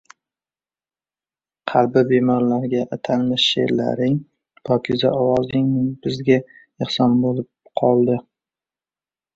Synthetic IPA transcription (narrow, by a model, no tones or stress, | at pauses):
qʰɑlbɪbemɒɾlaɾɡʲaʔat̪ʰanmɪʃḛɾla̰ɾɪŋ | bʰɒkʰʲɪzaʔɒwɒzɪŋbɪzɡʲa | ɨχsɒnbolɪp̚qʰɒlˠd̪ɪ